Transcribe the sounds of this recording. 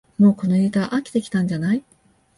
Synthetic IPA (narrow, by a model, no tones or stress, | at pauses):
mo̞ːko̞noit̪aʔakʲi̥t̪e̞kʲi̥t̪ãɲ̟d͡ʑanai